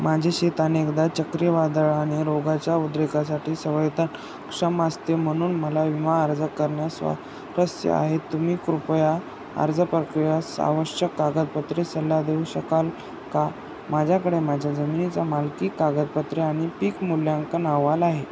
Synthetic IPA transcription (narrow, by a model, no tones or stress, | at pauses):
mad͡ʑʱeɕet̪anekd̪at͡ɕəkɾiʋad̪əɭaɽ̃iɾoɡat͡ɕjaud̪ɾekas̬aʈʰiːsəʋəjt̪ən | kʂəməst̪em̤əɽ̃uːnməlaʋimaəɾd͡zəkəɾɳjasʋa̰ | ɾəsjə̰a̰ɦet̪ːum̤iːkɾupja | ə̰ɾd͡zʱəpɾəkɾijasa̰ʋəɕəkːaɡət̪̚pət̪ɾisəlːad̪eʋɕəkal | ka | mad͡ʑʱjakəɽemad͡ʑʱjad͡zəminit͡samalkiːkːaɡət̪̚pət̪ɾeaɽ̃ipiːkmuljaŋkənaʋalaɦe